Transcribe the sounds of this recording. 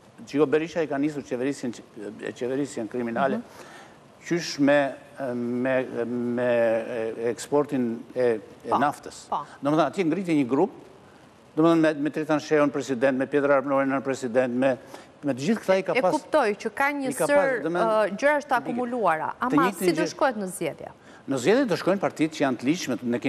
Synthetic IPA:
d͡ʒiɡɔbɛɾiʃaikanis̬uɾt͡ʃɛvɛɾisnɛ̰t͡ʃɛvɛɾisjɛnkɾiminalɛ | cyʃmɛ | mɛmɛ | ɛkspɔɾt̪inɛɛnaft̪əspd̪ɔmɛθanat̪jɛŋɡɾit̪jɛɲəɡɾup̚ | d̪ɔmɛθanɛmɛt̪ɾɛt̪anʃɛunpɾɛsid̪ɛnt̪mɛpjɛt̪ɾaɾpnɔɾinanpɾɛsid̪ɛnt̪mɛ | mɛt̪əd͡ʑiθkt̪aikaɛpaskupt̪ɔjcəkaɲəskaəaɾd̪ɔmd͡ʑəɾaəʃt̪əakumuluaɾa̰ʔat̪əiid̪ɔʃkɔɛt̪nəzd͡ʑɛðjɛ̰ | nəzd͡ʑɛðjɛd̪ɔʃkɔjnpaɾt̪it̪̚cəjant̪əliʃmɛnɛkɛ

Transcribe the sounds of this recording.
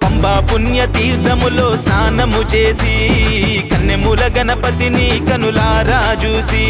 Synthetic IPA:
k̪ɐmbaːpunjɐt̪iːɾd̪ɐmuloːsaːnɐmut͡ʃeːsi | kɐnːemulɐɡɐnɐpɐt̪inikɐnulaːɾaːt͡ʃuːsi

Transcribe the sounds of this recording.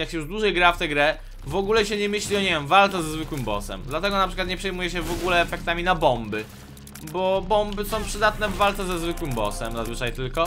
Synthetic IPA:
jakɕɛjuʐd̪wuʐɛjɡɾaft̪ɛɡɾɛ | vɔɡulɛɕɛɲɛmɘɕlʲiɔɲɛvʲɛmvalt̪ɛzɛzvɘkwɘmbɔ̰sɛ̰md̪lat̪ɛɡɔnapʂɘkwat̪ɲɛpʂɛjmujɛɕɛvɔɡulɛːfɛk̚t̪amʲinabɔmbɘ | bɔbɔmbɘsɔ̃w̃pʂɘd̪at̪nɛvːalt̪sɛzɛzvɘkwɘmbɔ̰sɛmzazvɘt͡ʂajt̪ɘlkɔ

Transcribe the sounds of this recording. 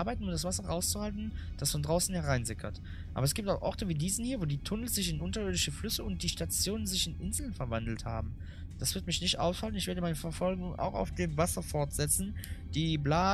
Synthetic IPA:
ɐbaɪtn̩ʊmd̥asv̥asɐʁaʊst͡suhaltn̩d̥asfɔndʁaʊsn̩hɛɐʁaɪnzɪkʰɐ̰t | ʔa̰ːbɐɛsɡ̥iːp̚taʊxʔɔʁtəviːdiːzn̩hiːɐvoːdiːtʰʊnəl̩z̥ɪçɪnʔʊntɐɪɐdɪʃəflʏsəʊnt̚d̥iːʃtat͡sjoːnənzɪçɪnʔɪnzl̩nfɛɐvandl̩tha̰ːbm̩ | d̥asv̥ɪɐt̚mɪçnɪçtʔa̰ʊsfalən̩ɪçv̥eːɐdəmaɪnəfɛɐfɔlɡʊŋʔa̰ʊxa̰ʊfd̥eːmvasɐfɔɐtz̥ɛt͡sn̩d̥iːblaː

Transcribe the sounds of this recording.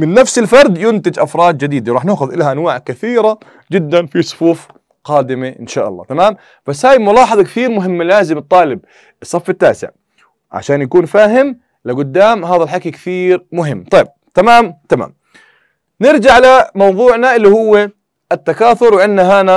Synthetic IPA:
mɪnːafsɪlfɑɾˤd̪jʊnt̪ɪd͡ʒʔafɾˤɑːd̪̚d͡ʒɪd̪iːd̪awɾˤɑːħnaʔxʊðʔɪlːhaʔanwaːʕkɪθiːɾa | d͡ʒɪd̪ːanfisˤʊ̥fuːf | qɑːd̪ɪmeʔɪ̰nʃaːʔɑlˤːɑ̰ːt̪amaːm | b̥asːhaːjmʊlɑːħɑðˤɑkɪθiːɾmʊɦɪmːalaːzɪmɨt̪ˤːɑːlɪb̚ | ɨsˤːɑfːɪt̪ːa̰ːsɪ̰ʕ | ʕa̰ʃaːnjakuːnfaːɦɪm | lɪɡʊd̪ːaːmɦaːðalħakikθiːɾmʊɦɪmːt̪ˤɑjːb̚t̪amaːmt̪ama̰ːm | nɪɾd͡ʒaʕalamɑwðˤuːʕnaʔɪlːihʊwːe | ʔɪt̪ːakaːθʊɾwɪʔanːaɦaːna

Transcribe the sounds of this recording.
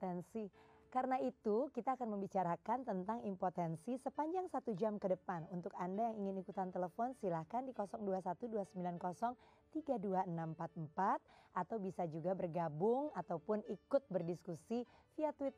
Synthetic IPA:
t̪ɛnsikaɾənait̪ukit̪aːkanməmbit͡ʃaɾakant̪ənt̪aŋimpot̪ɛnsisəpaɲd͡ʒaŋsat̪ud͡ʒamkədəpanunt̪ʊkandajaŋiŋɪnikut̪ant̪eləfɔnsilahkandikɔsɔŋduasat̪uduasəmbilankɔsɔŋ | t̪iɡaduaənampat̪̚əmpat̪̚at̪awbisad͡ʒuɡabərɡabʊŋat̪awpʊnikʊt̪̚bərdiskusifiat̪wɪt̪̚

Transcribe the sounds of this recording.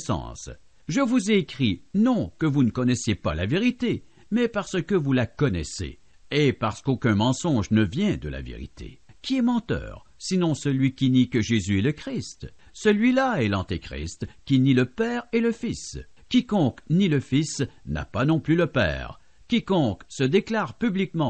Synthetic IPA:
sɑ̰̃ːs | ʒəvuzeːkχinɔ̃kəvunəkɔnɛsjepalaveʁit̪e | mɛpaʁsəkəvulakɔnɛ̰sḛ | epaʁsə̥kokʲɛ̃mɑ̃sɔ̃ʒnəvjɛ̃d̪əla̰vḛʁḭt̪ʰḛkʲʰiɛmɑ̃t̪œ̰ːʁ | sinɔ̃səlɥikʲinikəʒezyɛləkχist̪ | səlɥilaɛlɑ̃t̪ikʁḭst̪kʲiniləpɛːʁɛləfis | kʲikɔ̃kniləfisna̰panɔ̃plyləpɛ̰ːʁ | kʲikɔ̃ksəd̪eklaːʁpyblikmɑ̃

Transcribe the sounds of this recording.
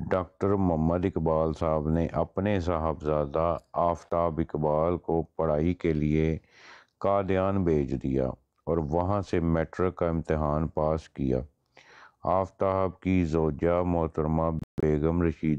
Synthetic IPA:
ɖaːk̚ʈəɾməmːəd̪ɪkbaːlsaːəbneʔɐpnes̬aːɦəbzaːd̪aaːft̪aːɦəbɪkbaːlkopəɽ̤aːikelie | kaːd̪ɪjaːnbʱeːt͡ʃd̪ija̰ː | ɔːɾʋɐɦãsemɛːʈɾəkaɪ̃mt̪ɪɦaːnpaːskija̰ː | aːft̪aɦəb̚kizoːd͡ʒamʊɦt̪əɾmãbeːɡəmɾəʃiːd̪

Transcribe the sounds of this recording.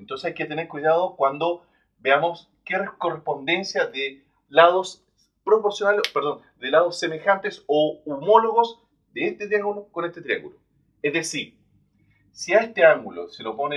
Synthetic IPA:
ent̪o̞nsesajket̪eneɾkwuiðaðokwand̪o | beamos | kerekorespo̞nd̪e̞nsjaðe | laðos | pɾopoɾsjonalepeɾðo̞n | ðelað̞osːemexant̪esoumoloɣos | d̪eest̪et̪ɾiaŋɡulokonest̪et̪ɾia̰ŋɡulo | ezðesiɾ | siaest̪eaŋɡulo̰selopone

